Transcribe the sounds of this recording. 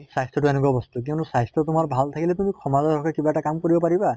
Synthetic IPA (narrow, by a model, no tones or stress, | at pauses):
sajst̪ʰɔtuɛnɛk̬ɔbɔst̪uk̬iwnusajst̪ɔtumaɹbʱalt̪ʰakilɛt̪̬umikʰɔmazɔɔkʰɛkibaɛʈakamkɔɹibɔpaiba